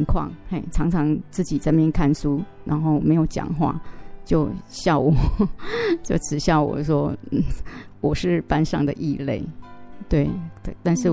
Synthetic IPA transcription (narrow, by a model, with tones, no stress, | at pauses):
ŋkʰwɑ̰˥˩ŋe˥˩ɪʈ͡ʂʰɑ˧˥ŋʈ͡ʂʰɑ˧˥ŋt͡sɹ̩˥˩t͡ɕi˨˩t͡sa˥˧ɪmjɛ˥˧nkʰa˥˧nsu˥ | ɻa˧˥nxo˥˩ʊme˧˥ɪjo˨˩ʊt͡ɕjɑ̰˨˩ŋxwa̰˥˩t͡ɕjo˥˧ʊɕjɑ˥˩ʊwɔ˨˩ | t͡ɕjo˥˩ʊʈ͡ʂɻ̩˨˩ɕjɑ˥˩ʊwɔ̰˨˩ʂwɔ˥n̩˥˩wɔ˨˩ʂɻ̩˥˩pa˦nʂɑ̰˥˩ŋd̪ə̰˨˩ʔi˥˧lḛ˥˩ɪt̪we˥˩ɪ˨˩t̪a˥˧nʂɻ̩˥˩